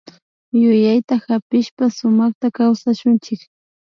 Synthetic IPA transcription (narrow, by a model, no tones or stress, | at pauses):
jʊjajt̪ahapɪʃpasʊmɑχt̪akawsaʃʊnt͡ʃɪk